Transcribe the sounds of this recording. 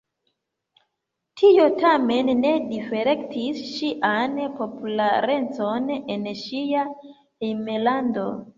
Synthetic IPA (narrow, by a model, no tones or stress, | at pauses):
tʰio̞tame̞nːe̞dife̞ɾe̞ktisʃiʔanpo̞pulaɾe̞nt͡so̞nenʃia | emelando̞̰